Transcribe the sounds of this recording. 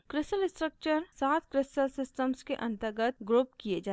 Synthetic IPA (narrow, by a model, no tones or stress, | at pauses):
kɾɪsʈəlɪsʈɾək̚t͡ʃəɾsaːt̪kɾɪsʈəlsɪsʈəmskeʔɐ̃nt̪əɾɡət̪̚ɡɾoːp̚kied͡ʒa